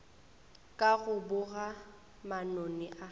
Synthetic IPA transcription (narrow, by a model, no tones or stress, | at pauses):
kʼaɣʊbʊɣa | manonɪʔa